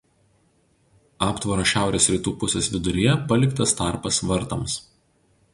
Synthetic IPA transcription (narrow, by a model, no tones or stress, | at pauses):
ɑːpt̪ʋɐɾoːʃʲæˑʊɾʲeːsɾʲiːt̪uːpʊsʲɛsʋʲɪd̪ʊɾʲɪjɛpɐlʲɪkt̪ɐst̪ɑˑɾpɐsʋɐɾt̪ɐms